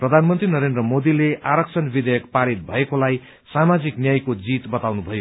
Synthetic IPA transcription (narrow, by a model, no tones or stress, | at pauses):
prʌd̪ʱanmʌnt̪rinʌɾend̪rʌmod̪ileʔaɾʌkt͡sʰʌnbid̪ʌjʌkpaɾit̪̚bʱʌekolaj | samad͡ziknjajkod͡zit̪bʌt̪awnubʱʌjo